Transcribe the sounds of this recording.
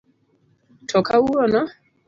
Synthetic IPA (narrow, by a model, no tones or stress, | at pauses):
tʰɔkauɾɔnɔ